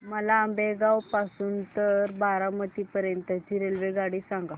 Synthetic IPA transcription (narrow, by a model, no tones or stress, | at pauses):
məlaːmbeɡawpasuːnt̪əɾbaɾamət̪iːpəɾjənt̪jat͡ɕiɾelʋeɡaɽiːsãŋɡa